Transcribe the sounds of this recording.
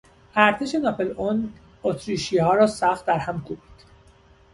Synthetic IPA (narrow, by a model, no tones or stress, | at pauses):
ʔæɾt̪ʰe̞ʃenɒfelon | ot̪ʰɾiːʃiːhɒːɾɒːsæχt̪̚d̪æɾhæmkʰubi̥ːd̪̥